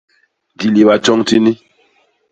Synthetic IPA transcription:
di˨li˨ba˨t͡ʃɔ˦ŋti˦ni˦

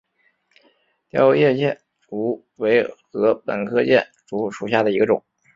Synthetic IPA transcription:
t̪jɑ̰˥ʊjɛ˥˧t͡ɕjɛ˥˩n | ʈ͡ʂu˧˥ | we˧˥ɪxɤ˧˥pə̰˨˩nkʰɤ˥t͡ɕjɛ˥˩nʈ͡ʂu˧˥ʂu˨˩ɕ̬ja˥˩d̪ə˩i˧˥ɡə˧ʈ͡ʂʊ̰˨˩˦ŋ

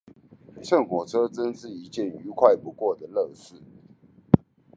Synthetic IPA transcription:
ʂʰə˥˩nxwɔ˨˩ʈ͡ʂʰɤ˥t͡sə˥nʂɻ̩˥˩i˧˥t͡ɕjɛ˥˨ny˧˥kʰwa˥˩ɪpu˧˥kwɔ˥˩d̪ə˩lɤ˥˧ʂɻ̩˥˩

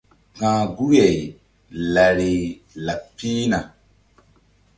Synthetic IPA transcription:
kãː˨ɡu˦jɛ˨i˨ | la˨ɾe˨ | la˨pːiː˦na˨

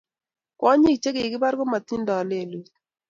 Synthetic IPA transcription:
kɔ˦ɲi˦˨t͡ʃe˦ke˨kɪ˦ba˦ɾɡɔ˦ma˨t̪i˦ndɔ˨le˨lu˨

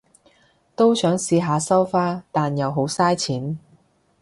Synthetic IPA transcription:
t̪o˥wsœː˨˥ŋsiː˧ɦaː˨˧sɐ˥wfaː˥t̪aː˨njɐ˨wɦo˨˥wsaː˥jt͡sʰiː˨˥n

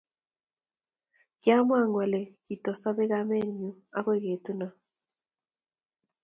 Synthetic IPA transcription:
kja˦mwa˦˨ŋwa˨le˨ki˨tɔ˨sa˦βe˦ɣa˦mɛ˦˨ɲu˨a̰˦ɣwe˦˨ɣe˨tu˦na˨

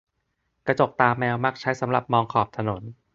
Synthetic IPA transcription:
kɾa˧t͡ɕo˨˩k̚t̪aː˧mːɛː˧wma˦˥˩k̚t͡ɕʰa˦˥jsa˩˦mɾa˨˩p̚mɔː˧ŋkʰɔː˨˩p̚t̪ʰa˧no˩˦n

